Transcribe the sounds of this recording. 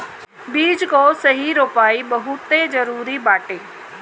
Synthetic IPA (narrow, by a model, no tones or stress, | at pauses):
biːd͡ʑkoːsɐɦiɾoːpaːiɓɐɦʊt̪ezɐɾuːɾibaːʈeː